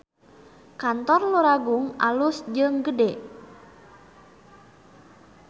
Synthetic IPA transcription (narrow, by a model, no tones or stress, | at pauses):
kant̪ɔrluɾaɡuŋa̰lusd͡ʒəŋɡədɛ